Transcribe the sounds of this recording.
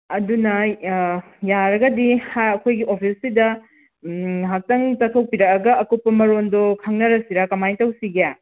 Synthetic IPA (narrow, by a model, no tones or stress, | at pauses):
ɐdunɐ | jaɾɐɡɐdihajɐkʰojɡiʔopʰisːidɐ | ɦak̚tɐŋtɐkʰɐw̚piɾɐkɐɡɐʔɐkupːɐmɐɾondoɔkʰaŋnɐɾɐsiɾakɐmajtɐwsiɡea